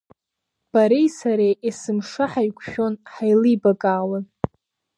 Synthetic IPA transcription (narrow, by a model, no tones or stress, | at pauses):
b̥aɾejsaɾejʔisɨmʂaħajkʷʰʃᶣo̞nħajlibakʼaːlan